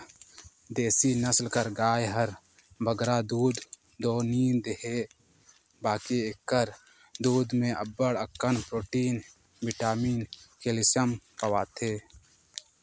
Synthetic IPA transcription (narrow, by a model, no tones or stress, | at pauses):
d̪eːsinəslkəɾɡaːjɦəɾ | bʱəɡɾaːd̪uːd̪ː | oːniːd̪eɦeː | baːkiekːəɾ | d̪uːd̪mẽʔɐbːəɽəkːənpɾoːʈiːn | bɪʈaːmiːnkelɪsəmpəwaːt̪ʰeː